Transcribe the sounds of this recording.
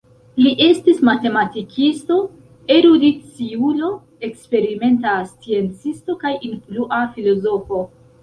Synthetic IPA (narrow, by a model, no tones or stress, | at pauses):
liʔe̞stismate̞matikʰisto̞ | eɾudit͡siulo̞ | e̞kspe̞ɾime̞ntast͡sie̞nt͡sisto̞kajinfluʔafilo̞zo̞fo̞